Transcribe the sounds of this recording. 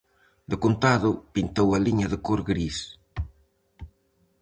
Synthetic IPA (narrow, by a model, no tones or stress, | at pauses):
d̪əkont̪aðʊpint̪owɐliɲɐðəkoɾɡɾis